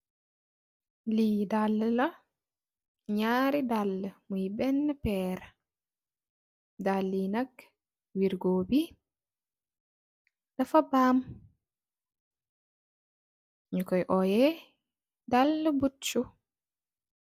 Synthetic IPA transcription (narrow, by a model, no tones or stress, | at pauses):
lidalːla | ɲaːɾidalːɛmujbɛnːɛpɛːɾa | dalːinakː | wiɾɡoːbi | dafabam | ɲukɔjʔɔjɛ | dalːɛbut͡ʃːu